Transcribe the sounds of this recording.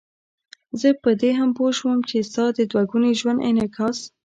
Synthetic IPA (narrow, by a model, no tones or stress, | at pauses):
zəpəd̪eɦampoʃwəmt͡ʃest̪ɑd̪əd̪waɡuneʒwand̪ɪ̰nakʰɑs